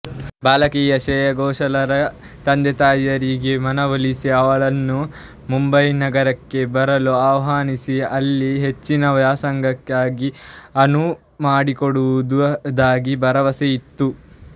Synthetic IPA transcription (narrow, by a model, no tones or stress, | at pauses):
baːlɐkiːjɐʃɛːjɐɡɔːʃɐlɐɾɐ | t̪ɐnd̪et̪aːjɐɾiɡemɐnɐʋɐlisiɐʋɐɭɐnːu | mumbɐjnɐɡɐɾɐkːe̞bɐɾɐloaʋɐɦaːnisiɐlːiɦe̞t͡ʃːinɐʋjaːsɐŋɡʱɐkːaːɡiɐnu | maːɽikoɽuʋud̪d̪aːɡibɐɾɐʋɐsejit̪ːu